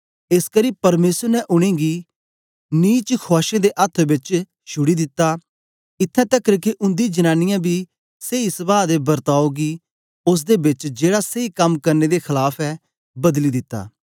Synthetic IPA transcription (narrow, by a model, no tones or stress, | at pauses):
eskəɾiːpɐɾmeːsəɾnɛʔʊɽ̃ẽːɡi | niːt͡ʃkʰaːʃẽd̪eʔɐt̪ʰːbɪt͡ʃ | ʃʰʊɽid̪ɪt̪ːaː | ɪt̪ʰːɛ̃t̪ɛkəɾkeʔʊ̃nd̪id͡ʒɐnãːnɪjãːbʱi | seisɐbaːd̪ebɐɾt̪aːoɡi | ʊs̬d̪ebɪt͡ʃd͡ʒeːɽaseikɐmkɐɾned̪ekʰɐlaːpʰɛː | bɐd̪lid̪ɪt̪ːa̰ː